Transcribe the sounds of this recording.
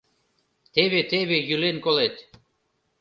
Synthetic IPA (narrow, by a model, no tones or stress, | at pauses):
t̪eβet̪eβejylenkolet̪